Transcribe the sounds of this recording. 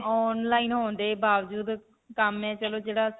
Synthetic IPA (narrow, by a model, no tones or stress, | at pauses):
ɔːnlaːiːnɦõːnd̪eːbaːʋd͡ʒuːd̪ | kəmɛ̃ːt͡ʃəloːd͡ʒeːɽaː